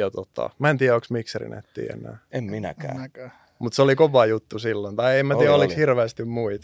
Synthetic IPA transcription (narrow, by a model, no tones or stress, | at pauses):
ɑt̪ot̪ːɑ̰mæent̪iːæoksmikserḭnḛt̪ːḭːḛnːˑæ̰ːemminæ̰kæ̰ː | mut̪solikoʋɑjut̪ːusilːont̪ɑiemætiːæolishirʋeːst̪immuit̪